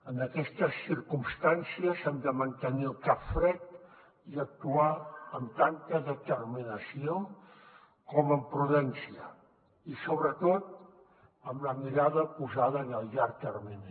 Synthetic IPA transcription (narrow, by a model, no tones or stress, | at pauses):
ənəkɛst̪əsːiɾkumst̪ansiəzɛmd̪əmənt̪əniəlˠkapfɾɛt̪̚ | iək̚t̪uaəmt̪ant̪əðət̪ərminəsio | kɔməmpɾuðɛnsiə | isoβɾət̪ot̪̚ | əmləmiɾaðəpuzaðəːnəlˠʎaɾt̪ərmin